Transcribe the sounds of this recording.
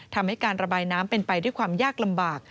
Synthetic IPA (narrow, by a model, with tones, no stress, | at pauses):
t̪ʰa˧mha˥˩jkaː˧nɾa˧baː˧jnaː˦˥mpe˧npa˧jdu˥˩əjkʰwaː˧mjaː˥˩k̚la˧mbaː˨˩k̚